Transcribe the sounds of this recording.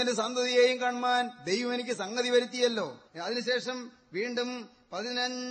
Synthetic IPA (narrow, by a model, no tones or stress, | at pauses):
ɐndesɐnd̪ʱɐðijeːjumkaːɳmaːnd̪e̞jʋɐmenikʲːɨsɐŋɡɐðiʋɐɾit̪ːijɐlːo̞ːɐðinɨɕe̞ːʂɐm | ʋiːɳɖum | pɐðinɐɲ